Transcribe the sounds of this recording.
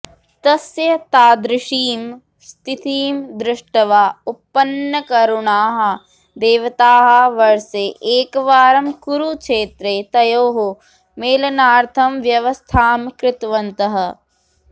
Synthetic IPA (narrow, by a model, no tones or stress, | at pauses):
t̪ɐsjɐt̪aːd̪ɾɪʃiːm | st̪ʰit̪iːmd̪ɾɪʂʈɐʋaːupːɐnjɐkɐɾuɳaːɦɐ̆ | d̪eːʋɐt̪aːɦɐʋɐɾseʔeːkʋaːɾɐmkuɾukʃeːt̪ɾeːt̪ɐjoːɦo | meːlɐnaːɾt̪ʰɐmʋjɐʋɐst̪ʰaːmkɾɪt̪ʋɐnt̪ɐɦɐ̆